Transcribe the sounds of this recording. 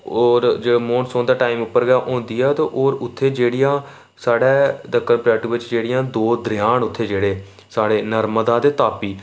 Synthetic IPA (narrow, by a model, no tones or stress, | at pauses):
oːɾd͡ʒeːɽːmoːɳsõːnd̪aːʈaːimʊpːəɾɡaːʔõːnd̪iːɛːt̪ãːʔoːɾʊt̪ʰːeːd͡ʒeːɽɪjãː | saːɽɛːd̪aːkəɾpɾɛːʈɪʋɪt͡ʃd͡ʒeːɽɪjãːd̪oːd̪əɾɪjaːɳʊt̪ʰːeːd͡ʒeːɽeː | saːɽeːnəɾməd̪aːd̪eːt̪aːpiː